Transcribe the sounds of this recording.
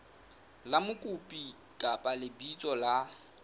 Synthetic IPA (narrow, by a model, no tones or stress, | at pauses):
lamʊkʼʊpʼi | kʼapʼalɪbit͡sʼɔla